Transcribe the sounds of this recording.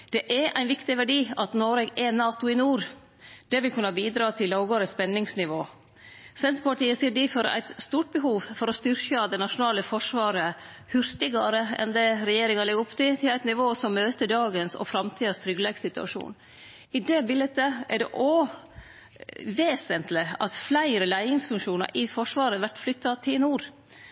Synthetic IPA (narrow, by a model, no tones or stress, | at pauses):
d̪̥ɛʔæɾʔæɪnʋɪkt̪ɪʋæɖiːɑt̪noːɾɛɡɛnɑːt̪ʊɪnuːɾ | d̪̥ɛʋɪlkʰʉnːəbiːd̪ɾɑːt̪ʰɪlːɑːɡəɾəspɛnːɪŋsnɪʋoː | sɛnt̪ɾpɑʈiːəsiːɖifɔɾæ̰ɪt̪st̪uːʈ̚bəɦuːʋfɔɾɔst̪ʏɾkəd̪ɛnɑʂʊnɑːləfɔʂʋɑːɾə | hʉɾt̪ɪɡɑɾəɛ̰nd̪ɛɾɛjeːɾɪŋɑlɪɡʊpt̪ɪt̪ʰɪlæɪt̪nɪʋoːsɔmːøːt̪əɖɑːɡənsɔ̰fɾɑmt̪ʰiːd̪ɑst̪ʰɾʏɡlɛɡsɪt̪ʉɑ̰ʂṵːn | ɪd̪ɛbɪlət̪əɛɖɛ̰ʔo | ʋeːsənt̪lɪɑ̰t̪flæɪɾəlæɪɪŋsfʉŋʂuːnɑ̰ɾʔɪfɔʂʋɑːɾəʋæʈflʏt̪ːɑt̪ʰɪlnuːɾ